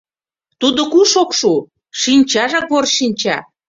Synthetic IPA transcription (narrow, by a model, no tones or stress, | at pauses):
t̪ud̪okuʃokʃu | ʃinʲt͡ɕɑʒɑkβorʃinʲt͡ɕɑ